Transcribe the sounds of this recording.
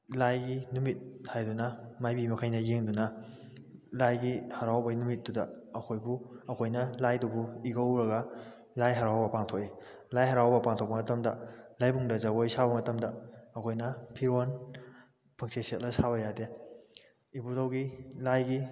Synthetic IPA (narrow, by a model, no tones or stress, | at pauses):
lajɡinumit̚hajdunɐmajbimɐkʰajnɐjeŋdunɐ | lajɡihɐɾawbɐnumit̚ːdudɐː | kʰojbuɐkʰojnɐlajdubuiɡɐwɾɐɡɐ | lajɦɐɾawbɐpaŋtʰoki | lajɦɐɾawbɐpaŋtʰok̚pɐmɐtɐmdɐlajbuŋdɐzaɡojsabɐmɐtɐmdɐːkʰojnɐpʰiɾon | pʰɐŋseset̚lɐsabɐjade | ibudɐwɡilajɡi